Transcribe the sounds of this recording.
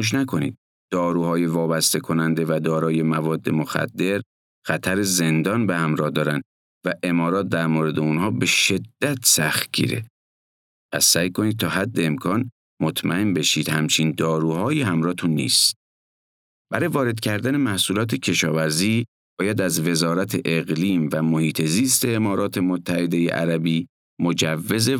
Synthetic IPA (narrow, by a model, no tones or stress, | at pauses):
uʃ̬nækʰo̞nḭːd̪̥̚ | d̪̥ɒːɾuːhɒːje̞vɒːbæst̪e̞kʰo̞nænd̪e̞væd̪ɒːɾɒːje̞mævɒːd̪ːe̞mo̞xæ̰d̪ːe̞ɾ | xæt̪ʰæɾe̞ze̞nd̪ɒːnbehæmɾɒːhd̪ɒːɾænd̪ | væʔe̞mɒːɾɒːt̪̚d̪æɾmoːɾe̞d̪eunɦɒːbe̞ʃe̞d̪̥ːæt̪ʰsæxt̪ɡḭɾe̞̰ | pæ̰sːæjkʰo̞niːd̪̚t̪ʰɒːɦæd̪ːeːmkʰɒːn | mot̪ʰmæ̰embe̞ʃiːd̪̥hæmt͡ʃʰind̪ɒːɾuːɦɒːjiːhæmɾɒːet̪ʰunːḭːst̪ | b̥æɾɒːjevɒːɾe̞d̪̥cʰæɾd̪æne̞mæhsuːlɒːt̪ʰecʰe̞ʃɒːvæɾziː | b̥ɒːjæd̪æzve̞zɒːɾæt̪ʰeʔeɣliːmvæmohiːt̪ʰe̞ziːst̪e̞ːmɒːɾɒːt̪ʰe̞mot̪ʰːæhe̞d̪e̞jḛʔæ̰ɾæbiː | mod͡ʒævːe̞ze